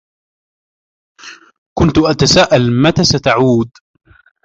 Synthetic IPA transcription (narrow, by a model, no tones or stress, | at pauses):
kʊnt̪ʊʔat̪asaːʔalmat̪aːsat̪aʕuːd̪